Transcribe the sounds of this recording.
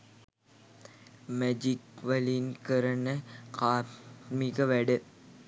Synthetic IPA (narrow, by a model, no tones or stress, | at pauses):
med͡ʒikʋɐlinkɐɾɐnɐkaːmikɐʋæɽɯ